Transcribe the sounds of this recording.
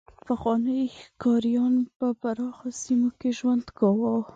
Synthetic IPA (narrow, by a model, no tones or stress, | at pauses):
paxwɑnəkɑɾijɑnpəpaɾɑxasimokeʒwand̪ɡɑwɑ